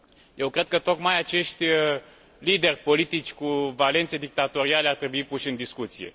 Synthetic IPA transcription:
je̞wkɾe̞d̪̚kət̪o̞kmajat͡ʃe̞ʃt̪ʲ | lid̪e̞rʲpo̞lit̪it͡ʃʲkuvale̞nt̪sed̪ik̚t̪at̪o̞ɾiale̞art̪ɾe̞buipuʃɨnd̪iskut̪sije̞̰

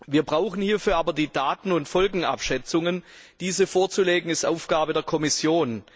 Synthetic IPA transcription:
viːɐbʁaʊxn̩hiːɐfyːɐʔaːbɐdiːdaːtn̩ʊntfɔlɡŋ̩a̰pʃɛt͡sʊŋənd̥iːzəfoːɐt͡suleːɡŋ̩ɪstʔaʊfɡ̥aːbədeːɐkʰɔmɪsjoːn

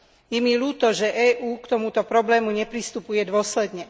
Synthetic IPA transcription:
jɛmiluːt̪ɔʒɛʔɛːʔuːkt̪ɔmut̪ɔpɾɔblɛːmuɲɛpɾist̪upujɛd̪ʊɔslɛd̪ɲɛ

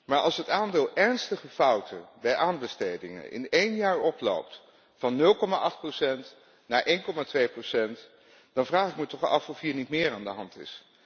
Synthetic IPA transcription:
maːɹɑ̰lˠsɦətaːndɪːlˠɛɹnstəχəfʌwtʰəbɛjʔaːnbəstejdɪ̰ŋə̰nʔɪ̰nejnjaːɹɔplo̰wpt | fɑnːɵlˠkɔmaʔɑχt̚prosɛnt | naːɹʔejnkɔmaːtʋejprosɛnt | d̥ɑnvraːχɪk̚mətɔχɑ̰fɔfɦiːɹnitmɪːɹaːndəɦɑntɪ̰s

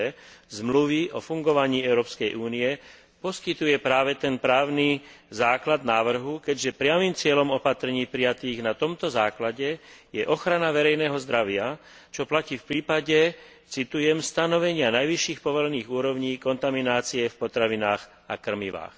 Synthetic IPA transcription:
ɛzmluʋiʔɔfuŋɡɔʋaɲiːɛʊɾɔːpskɛjʔuːniɛ | pɔskit̪ujɛpɾaːʋɛt̪ɛnpɾaːʊni | zaːklad̪̚naːʋr̩ɦukɛɟʒɛpɾɪamiːmt͡sɪɛʎɔmɔpat̪ɾɛɲiːpɾijat̪iːɣnat̪ɔmt̪ɔzaːklaɟɛjɛʔɔxɾanaʋɛɾɛjnɛːɦɔzd̪ɾaʋɪa | t͡ʃɔplaciːfpɾiːpaɟɛ | t͡sit̪ujɛmst̪anɔʋɛɲɪanajʋiʃiːxpɔʋɔlɛniːɣuːɾɔʊɲiːkɔnt̪aminaːt͡siɛfpɔt̪ɾaʋinaːx | akr̩miʋa̰ːx

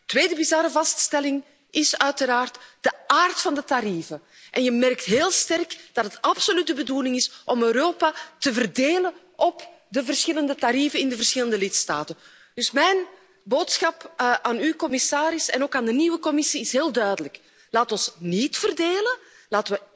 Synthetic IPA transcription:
tʋeːdəbizɑɾəvɑststɛlɪŋ | ʔɪsœɥtəɾaːrtd̥əaːrtfɑndətaɾiːvə | ʔɛnjəmɛrktɦeːlˠstɛrkd̥ɑtɦətɑpsolyt̚dəbəduːlɪŋɪsʔɔmøːɾoːpatəvərdeːlən | ʔɔpdəvərsxɪləndətaɾivənɪndəvərsxɪləndəlɪtsta̰ːtən | d̥ʏsmɛjn | boːtsxɑpʔaːnykɔmɪsaːɾɪsɛnoːkaːndəniːwəkɔmɪsiɪsɦeːlˠdœːɥdələk | laːtɔnsnitfərdeːlə | laːtəʋə

